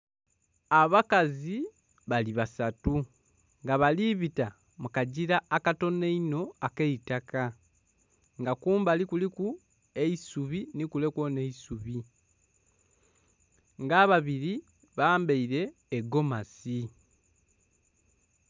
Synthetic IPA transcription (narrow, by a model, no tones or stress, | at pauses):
aβakazi | βaliβasatu | ŋɡaβaliβita | mukaɟiɾaːkato̞neino̞akeitaka | ŋɡakuːmbalikuliku | e̞isuβinikule̞kwone̞isuβi | ŋɡaːβaβiɾi | βaːmbeiɾe̞ːɡo̞masi